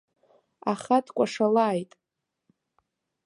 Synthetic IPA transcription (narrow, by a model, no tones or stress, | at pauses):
aχatʰkʷʼaʂalaːjtʼ